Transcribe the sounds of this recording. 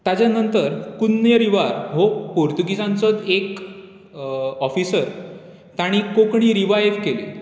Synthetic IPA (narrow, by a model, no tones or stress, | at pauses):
t̪jad͡ʑjanənt̪əɾkunːjəɾiʋaɾɦopoɾt̪uɡisãnt͡sɔt̪ek | ɔfisəɾ | t̪aɽ̃ikokɳ̃iːɾiʋajʋkele